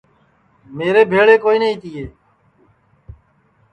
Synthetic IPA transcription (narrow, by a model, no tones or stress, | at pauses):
meːɾeːbʱeːɭeːkoːiːnəĩːt̪iːeː